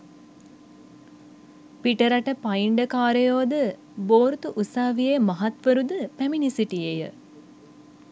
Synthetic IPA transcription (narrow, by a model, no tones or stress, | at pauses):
piʈəɾaʈəpaiɳɖəkaːɾəjoːd̪ə | boːɾt̪uʔusaːʋijemaɦat̪ʋəɾud̪əpæminisiʈijejə̰